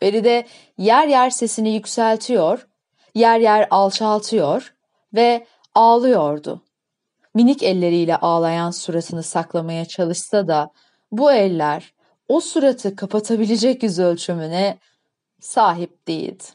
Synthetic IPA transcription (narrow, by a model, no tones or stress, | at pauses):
beɾid̪ɛ | jæɾjæɾse̞sinijycsælʲt̪ʰijoɾ̥ | jæɾjæɾalˠt͡ʃʰalˠt̪ʰɯjoɾ̥ | vɛ | aːlˠɯjo̞ɾd̪ʊ̰ | minicɛlʲːe̞ɾijlʲɛʔaːlˠajansuɾat̪ʰɯnɯsaklˠamajat͡ʃʰalˠɯʃsad̪a | buɛlʲːæɾ | osuɾat̪ʰɯkʰapʰat̪ʰabilʲed͡ʒɛcjyzølʲt͡ʃʰymynɛ | saːɦip̚d̪̥ejḭlʲ